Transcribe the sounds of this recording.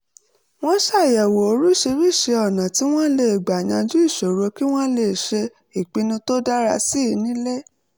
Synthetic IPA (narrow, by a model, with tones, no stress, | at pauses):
w̃ɔ̃˦ʃa˦˨jɛ˨wo˨o˧ɾu˦ʃe˧ɾi˦˨ʃe˧ɔ˨nã˨ti˨˦w̃ɔ̃˦le˦˨ɡ͡ba˨ɲã˧d͡ʒu˦i˦˨ʃo˨ɾo˧ki˦w̃ɔ̃˦le˨ʃe˧ | i˨k͡pi˨˧nũ˧to˦da˦ɾa̰˧si˦˧nĩ˦le˦